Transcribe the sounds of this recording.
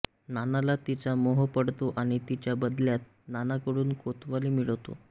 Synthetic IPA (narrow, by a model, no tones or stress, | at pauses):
nanalat̪it͡ɕamoɦəpəɽt̪oʔaɽ̃it̪it͡ɕjabəd̪ljat̪ | nanakəɽuːnkot̪ʋaliːmiɭʋt̪o̰